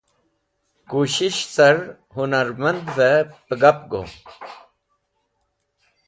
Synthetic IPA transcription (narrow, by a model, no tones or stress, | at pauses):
kuːɕiɕsɐɾ | hunɐɾmɐnd̪vepəɡɐpɡo̰ː